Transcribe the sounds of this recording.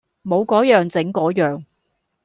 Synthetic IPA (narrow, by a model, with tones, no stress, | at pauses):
mo˨˧wkɔː˨˥jœː˨ŋt͡sɪ˨˥ŋkɔː˨˥jœː˨ŋ